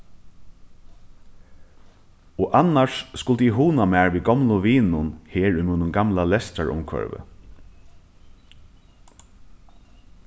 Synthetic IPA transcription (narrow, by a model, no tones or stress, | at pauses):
oːʔanaʂskʊlt̪ɪɦuːnamɛːɹʋiːɡɔmlʊʋiːnʊnheːɹʏmuːnʊnɡamlalɛst̪aɹʊ̰mkʰvœ̰ɹvə̰